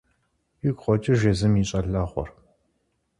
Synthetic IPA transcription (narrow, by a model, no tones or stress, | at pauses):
jɪɡʷχʷɔt͡ʃʼɪʒezɨmiːɕʼɐɮɐχʷɔ̰r